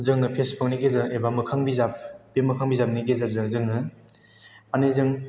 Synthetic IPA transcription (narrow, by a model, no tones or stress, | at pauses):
zɯŋɯpʰesbɯk̚niɡezɯebamɯkʰaŋbizap̚bemɯkʰaŋbizap̚nikezak̚zɯzɯŋɯ | anɯzɯŋ